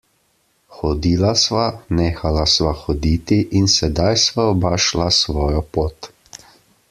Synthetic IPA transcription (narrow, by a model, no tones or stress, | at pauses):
xɔd̪iːlasʋaneːxalasʋaxɔd̪iːt̪iʔinsɛd̪ajsʋaɔbaʃlasʋɔːjɔpoːt̪